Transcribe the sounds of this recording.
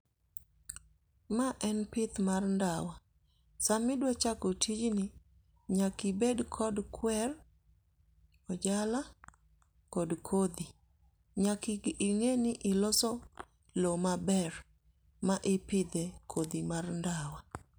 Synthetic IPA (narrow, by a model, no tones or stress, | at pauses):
maʔɛnpɪt̪marndawa | samɪdwɛt͡ʃakɔtʰid͡ʒnɪ | ɲakibedkʰɔdkʰwɛr | ɔd͡ʒala | kɔdkʰod̪i | ɲakɪɡɪŋeniʔɪlɔsɔ | lomabɛr | maʔɪpɪd̪ɛkʰod̪imarndawa